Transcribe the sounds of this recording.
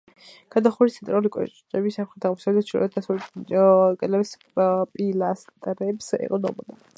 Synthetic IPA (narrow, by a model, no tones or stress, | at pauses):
kʰad̪aχuɾist̪ʰɛnt̪ɾaulikʼɔ̰t͡ʃt͡ʃʼɛbisapχɛt̪aʁmɔsɛbd̪t͡ʃʰɾ̚d̪asul | ɡʼɛlabis | pʼilast̪ʼɾɛpsɛ̰qʼɔnɔ̰bɔd̪a